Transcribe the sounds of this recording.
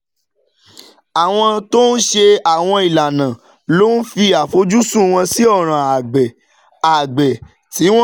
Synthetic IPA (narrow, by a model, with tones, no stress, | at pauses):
a˨w̃ɔ̃˧to˦n̩˦ʃe˧a˨w̃ɔ̃˧i˨la˨nã˨ | lo˦n̩˦fi˧a˨fo˨˦d͡ʒu˦sũ˦˨w̃ɔ̃˧si˦ɔ˦˨ɾ̃ã˨a˨ɡ͡bɛ˨ | a˨ɡ͡bɛ˨ | ti˨˦wɔ̃˦